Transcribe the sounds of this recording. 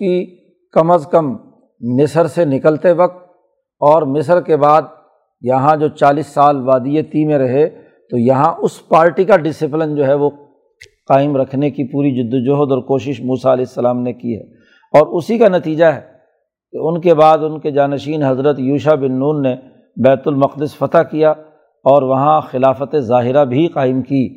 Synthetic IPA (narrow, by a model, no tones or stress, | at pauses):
ki | kɐməskɐmː | ɪsəɾsenɪkəlt̪eʋɐk̚t̪̚ | ɔːɾmɪsəɾkebaːd̪̚ | jɐɦãd͡ʒoːt͡ʃaːliːsːaːlʋaːd̪ijet̪imẽɾɐɦe | t̪ojɐɦãʔʊspaːɾʈikaɖɪsɪp̬lɪnd͡ʒoːɦɛʋo | qaːɪmɾɐkʰnekipuːɾid͡ʒʊd̪ːd͡ʒʊɦd̪ɔːɾkoːʃɪʃmuːsaɐlɛːɪsːɐlaːmnekiɦɛ̰ː | ɔːɾʊsikanɐt̪iːd͡ʒaɦɛ | keʊnkebaːd̪ʊnked͡ʒaːnɐʃiːnɦɐzɾət̪juːʃabɪnːuːnːe | bɛːt̪ʊlmɐqd̪ɪsfɐt̪akija | ɔːɾʋɐɦãxɪlaːfət̪ezaːɦɪɾabʱiqaːɪmkiː